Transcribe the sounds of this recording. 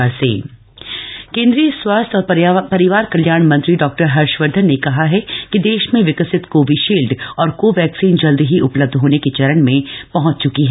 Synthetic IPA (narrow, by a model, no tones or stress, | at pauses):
aɾsḛː | kẽːnd̪ɾijəswaːst̪ɔːɾpɐɾɪʋaːɾkɐljaːɾɽ̃mɐ̃nt̪ɾiɖɔːk̚ʈəɾɦɐɾʃʋəɾd̪ʱənːekɐɦaɦɛkid̪eːʃmẽʋɪkəsɪt̪koʋɪʃeːlɖɔːɾkoʋɛːksiːnd͡ʒɐld̪iɦiʔʊpləb̚d̪ʱɦoːnekit͡ʃɐɾəɳmẽpɐɦʊ̃t͡ʃt͡ʃʊkiɦɛ